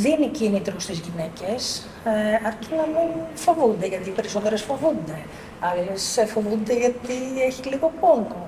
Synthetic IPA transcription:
ðinicinit̪ɾost̪izʝine̞ce̞s | ɐɾcinɐminfo̞vund̪e̞ʝɐt̪iːpe̞ɾiso̞t̪e̞ɾesfo̞vund̪e̞ | ɐlesefo̞vund̪e̞ʝɐt̪ieçiliɣo̞koŋɡo̞

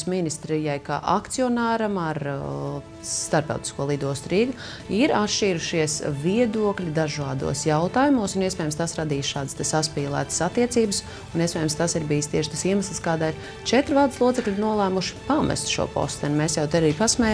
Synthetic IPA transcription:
sminist̪ɾijajka̰ːʔakt̪siɔnaːɾamaɾ | st̪aɾpt̪a̰ʊt̪i̥skuɔlˠid̪uɔst̪ɾiːɡu | iɾat̪ʃiːɾuʃiɛsviɛd̪uɔklʲid̪aʒaːd̪ṵɔsjawt̪aːjumuɔsuniɛspɛːjmst̪asɾad̪iːsʃaːd̪əst̪asaspiːlˠæ̰ːt̪ə̥sat̪ːiɛt̪siːbəs | uniɛspʲɛːjmst̪asiɾbijəst̪iɛʃt̪asiɛməslˠskaːd̪aːiɾ | t͡ʃɛt̪ɾvaːlˠd̪slˠuɔsɛklʲiɾnuɔlˠæːmuʃi̥pamɛ̰st̪ʃṵɔpɔ̰st̪ɛnʲmeːsjawt̪ɛɾaɾiːpasmɛ

